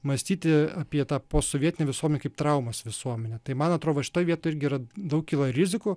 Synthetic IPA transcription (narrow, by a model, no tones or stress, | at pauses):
mɐsʲt̪ʲiːt̪ʲɪɑːpʲiɛt̪ɑːpoːsoʋʲiɛt̪ʲɪnʲɛʋʲɪsuɔmʲɛnʲɛkɐɪpt̪ɾɐʊmɐsʋʲɪsuɔmʲɛnʲɛt̪ɐɪmɐnɐt̪ɾoːd̪oːʃʲɪ̥t̪oːjʋʲiɛt̪oːɪɾʲɡʲɪiɾɐd̪ɐʊk̚kʲiːlˠɐɾʲɪzʲɪku